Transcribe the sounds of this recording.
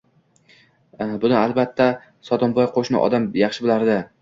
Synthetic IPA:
bʊnɪalˠbat̪ʰːa | sɒt̪ɒmbɒjqʰoʃnɪ̰ʔɒ̰d̪amjɑχʃɪbɪlaɾd̪ɪ

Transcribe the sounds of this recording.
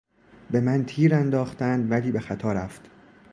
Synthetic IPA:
be̞mænt̪ʰiːɾænd̪ɒːχt̪ænd̪væliːbe̞xæt̪ʰɒːɾæft̪

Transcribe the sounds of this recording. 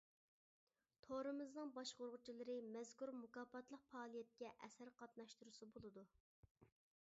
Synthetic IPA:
t̪ʰoɾɨmɨznɨŋbɑʃqoɾʁʊt͡ʃʰilˠɨɾɨmɛzkuɾmukɑːpɑt̪lˠəq̚fɑːlˠijɛt̪̚kʲɛʔɛsæɾqʰɑt̪nɑʃt̪uɾusɨbolˠɨd̪u

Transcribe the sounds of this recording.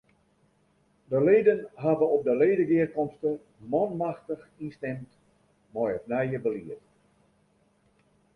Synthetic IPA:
dəleːdənɦavəɔp̚dəleːdəɡɪərkɔmstə | mɔnmaxtəxinstɛmt | mɔjəfnɛjəbəliət

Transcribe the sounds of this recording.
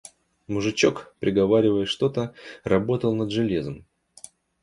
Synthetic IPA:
mʊʐɨt͡ɕo̞kpɾʲɪɡɐvaɾʲɪvəjɪʂt̪o̞t̪ərɐbo̞t̪əlˠnəd̪ʐɨlʲezəm

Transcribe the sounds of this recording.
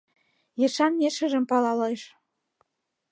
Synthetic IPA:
jɤ̆ʃɑnjeʃə̆ʒə̆mpɑlɑlɤjʃ

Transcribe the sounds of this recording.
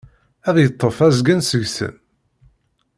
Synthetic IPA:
æðjət̪ˤːəfæzɡənsəʝsə̰m

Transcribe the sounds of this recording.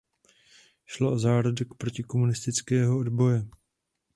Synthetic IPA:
ʃloʔozaːɾodɛkpɾo̞cɪko̞munɪst̪ɪt͡skɛːɦoodbo̞jɛ

